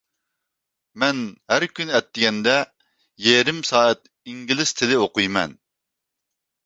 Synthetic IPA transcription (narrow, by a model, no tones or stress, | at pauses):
mɛnhæɾkʲʰynɛt̪ːɪɡʲɛnd̪ɛ | jeɾɪmsɑːɛt̪̚ | iŋɡʲilɪst̪ʰɪlɪoqujmɛ̰n